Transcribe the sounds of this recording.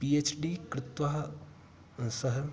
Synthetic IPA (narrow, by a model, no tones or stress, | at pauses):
piːet͡ʃɖiːkɾɪt̪ʋaːɦ | sɐɦə